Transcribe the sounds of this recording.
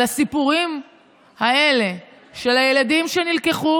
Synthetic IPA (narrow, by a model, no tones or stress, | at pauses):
asipuʁim | hae̞le̞ʃe̞laje̞lad̪imʃe̞nilkeχu